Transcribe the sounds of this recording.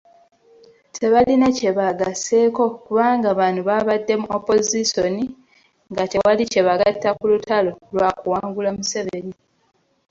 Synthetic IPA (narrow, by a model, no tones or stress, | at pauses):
tʰe̞βalinece̞βaɡase̞ːko̞kuβaːŋɡaβaːnuβaβadːe̞muopo̞ziso̞ni | ŋɡate̞walice̞βaɡatːakulutʰalo̞lwaːkuwaːŋɡulamuse̞βe̞ni